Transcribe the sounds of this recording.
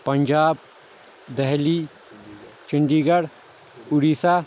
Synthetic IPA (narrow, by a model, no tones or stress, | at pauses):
pɐɲd͡ʒaːb̚ | d̪ɛɦli | t͡ʃɪɳɖiːɡɐɽ | ʊɽiːsaː